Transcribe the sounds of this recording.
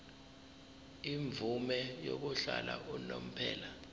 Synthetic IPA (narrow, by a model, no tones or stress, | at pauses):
iɱb̪vʱumɛjok̬uɬalaunom̩pʰɛːla